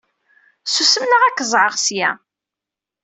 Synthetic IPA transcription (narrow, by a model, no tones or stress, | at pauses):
susəmnəʁækːəzˤʕəʁsjæ